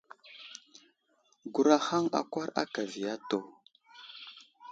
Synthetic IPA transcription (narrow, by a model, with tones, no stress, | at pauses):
ɡu˨ɾa˦xa˦ŋa̰˨kʷa˦ɾa̰˦ka˨vi˨ja˦to˨